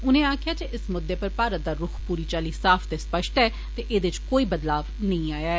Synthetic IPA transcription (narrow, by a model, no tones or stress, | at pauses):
ʊnẽːaːkʰɪjaːd͡ʒeʔɪsmʊd̪ːeːpəɾpaːɾət̪̚d̪aːɾʊkʰpuːɾiːt͡ʃaːliːsaːpʰt̪eːspəʃʈɛː | t̪eːʔeːd̪eɪt͡ʃkoːiːbəd̪laːʋnəĩːaːjaːɛ